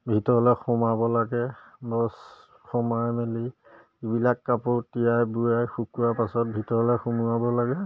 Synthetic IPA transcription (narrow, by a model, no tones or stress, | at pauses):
bʱitɔɹɔlɛxumabɔlaɡɛ | bɔs | xɔmajmeli | ibilakːapʊtijajbujajxukuwapasɔt̚bʱitɔɹɔlɛxumuabɔlaɡɛ